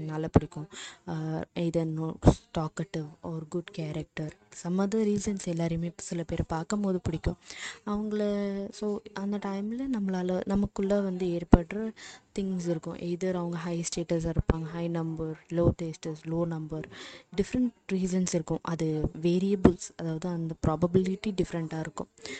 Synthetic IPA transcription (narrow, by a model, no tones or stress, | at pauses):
nɐlːɐpɪɽɪkʲːʊ̃ | eɪd̪ɐnoʈaːkɐʈːɪʋɔːɾɡʊɖkaːɾɐk̚ʈɐɾsɐmːɐðɐɾiːsɐnsɛlːaːɾjmeːsɪlɐpeːɾpaːɾkɐmpoːðɯpɪɽɪkʲːʊ̃ɐʋɐŋɡɐɭɐsoːɐnd̪ɐʈɐɪmɪlɐnɐmːɐɭaːlɐnɐmɐkːʊɭːɐʋɐnd̪ɯeːɾpɐʈːɾɐt̪ɪŋsɪɾɯkːʊ̰̃ʔeːðɐɾɐʋɐŋɡɐɦɐɪsʈeːʈɐs̬ɪɾɯpːaːŋɡɐɦɐɪnɐmbɐɾloːʈeːsʈɐsloːnɐmbɐɾɖɪfɾɐɳʈɾiːsɐnsɪɾɯkːʊ̃ʔɐðɯʋeːɾiɐbɪlsɐðaːʋɐðɯɐnd̪ɐpɾaːbɐbɪlɪʈːiɖɪfɾɐɳʈaːɪɾɯkːʊ̰̃